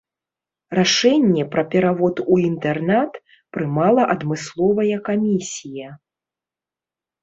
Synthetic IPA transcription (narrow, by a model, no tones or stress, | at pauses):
raʂɛnʲːɛpɾɐpʲɛɾavɔt̪uint̪ɛrnat̪ | pɾɨmalˠɐʔɐd̪mɨslˠɔvɐjɐkamʲisʲijɐ